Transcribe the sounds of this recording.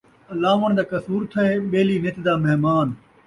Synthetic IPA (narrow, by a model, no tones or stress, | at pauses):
ɐlaːʋəɽ̃d̪aːkɐsuːɾt̪ʰɐeːɓeːliːnɪt̪d̪aːmɐɦmaːn